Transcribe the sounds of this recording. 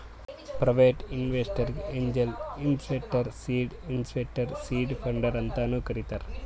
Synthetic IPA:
pɾɐʋeːʈinʋesʈɐɾeɲd͡ʒelinspek̚ʈɐɾsiːɖinspek̚ʈɐɾsiːɖpʰɐɳɖɐɾɐnt̪aːnukɐɾit̪ɐɾ

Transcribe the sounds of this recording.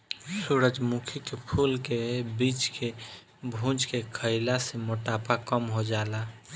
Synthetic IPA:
suɾəd͡ʒmukʰikepʰulkebit͡ʃke | bʱũd͡ʒkekʰəɪlasemoʈapakəmɦod͡ʒaːla

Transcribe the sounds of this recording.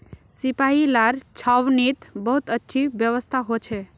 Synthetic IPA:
sipailaɾt͡ʃʰawnit̪bəɦut̪ətːʃʰibjəʋəst̪ʰaɦot͡ʃʰɛ

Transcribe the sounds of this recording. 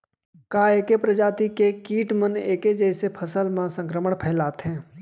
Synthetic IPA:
kaːeːkepɾəd͡ʒaːt̪ikekiːʈməneːked͡ʒɛːsepʰəsəlmãsə̃ŋkɾəməɽ̃pʰɛːlaːt̪ɦɛ̃ː

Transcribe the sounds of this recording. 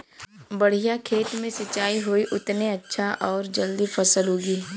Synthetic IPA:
bɐɽ̤ijakʰeːt̪mẽsɐt͡ʃaːiɦoiʔʊt̪neɐtːʃʰaʔɔːɾd͡ʒɐld̪ifɐsəlɦoːɡiː

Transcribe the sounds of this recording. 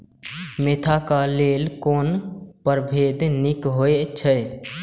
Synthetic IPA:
met̪ʰakalelkoːnpəɾbʱed̪nikɦoet͡ʃʰə

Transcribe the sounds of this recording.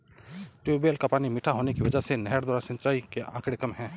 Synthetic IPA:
ʈubeːlkapaːnimɪʈʰaɦoːnekiʋɐd͡ʒəsenɛɦəɾd̪waːɾasɐ̃nt͡ʃaːikeʔã̰ːkɽɪkəmɦɛ̃ː

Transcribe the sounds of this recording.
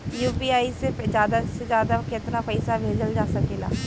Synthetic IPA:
juːpiːaːiːsed͡ʒaːd̪ased͡ʒjaːd̪aːkɪt̪naːpəɪsaːbʱeːd͡ʒəld͡ʒaːsəkeːla̰ː

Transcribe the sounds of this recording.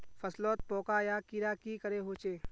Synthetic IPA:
fʰɐslɔːt̪̚pɔːkaːjaːkiːɾaːkiːkəɾeɦoːt͡ʃeː

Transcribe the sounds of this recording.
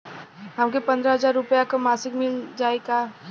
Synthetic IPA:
ɦɐmkepɐ̃nd̪ɾaɦɐzaːɾːʊpjakamaːsɪkmɪld͡ʒaːekaː

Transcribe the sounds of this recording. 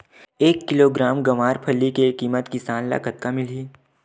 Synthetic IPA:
eːkːɪloːɡɾaːmɡɐmaːɾpʰɐlːikekiːmət̪kɪsaːnla̰kət̪̚kamɪliː

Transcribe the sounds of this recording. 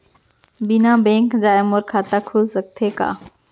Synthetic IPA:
bɪnabẽːŋkd͡ʑaːɪmoɾkʰaːt̪akʰʊzsək̚t̪ʰeka̰ː

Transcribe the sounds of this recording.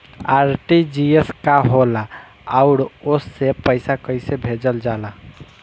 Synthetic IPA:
aɾʈid͡ʒieskaɦolaː | ʊɾosːepəɪsakəɪsebʱed͡ʒəld͡ʒala

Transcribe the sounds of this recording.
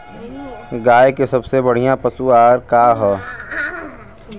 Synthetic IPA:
ɡaːekesɐbsebɐɽ̤ijãpɐsuaːɾkaːɦɛ

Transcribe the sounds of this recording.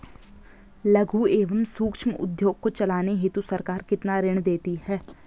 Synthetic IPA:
lɐɡʱueːʋəmsuːkʃməʊ̰d̪joːɡ̚kot͡ʃɐlaːneɦɪt̪usɐɾkaːɾkɪt̪naɾɪɽ̃d̪eːt̪ihɛː

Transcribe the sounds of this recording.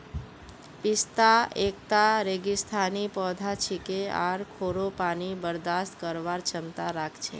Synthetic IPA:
pist̪aʔek̚t̪aɾeɡist̪ʰanipɔd̪ʱat͡ʃʰikea̰ɾkʰoɾopanibəɾd̪ast̪kəɾʋaɾt͡ʃəmt̪aɾakʰt͡ʃʰḛ

